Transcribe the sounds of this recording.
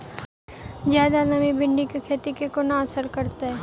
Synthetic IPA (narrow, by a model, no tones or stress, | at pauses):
zjaːd̪anɐmibɪɳɖikekʰeːt̪ikekonaɐsəɾkɐɾt̪aɦɛː